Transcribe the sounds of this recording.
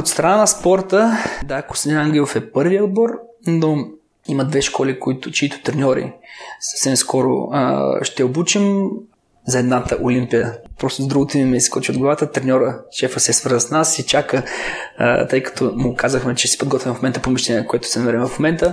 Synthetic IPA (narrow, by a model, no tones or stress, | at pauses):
ot̪st̪ɾɐnanɐspɔɾt̪əd̪akʊ̥sd̪inaŋɡlʲilˠofɛpɤɾviəod̪̚bɔɾ | no | imɐd̪vɛʃkɔlikʊit̪ʊt͡ʃiit̪ʊ̥t̪ɾɛnʲɔɾḭsɐ̥fsɛmskɔɾʊ̰ʃt̪ɛobut͡ʃim | zɐɛd̪nat̪əʔolimpijəpɾɔst̪ʊzɐd̪ɾuɡʊt̪imɛiskɔt͡ʃiod̪ɡlˠɐvat̪ət̪ɾɛnʲɔɾəʃɛfəsɛsvəɾzəsnasit͡ʃakə̰ | t̪ɤjkɐ̥t̪ʰɔmʊkazəxmɛt͡ʃɛsi̥pod̪ɡɔt̪vʲimfmomɛnt̪əpomiʃt̪ɛnʲiɛkoɛt̪ʊ̥sɛnɐmɛɾɛmfmomɛnt̪ə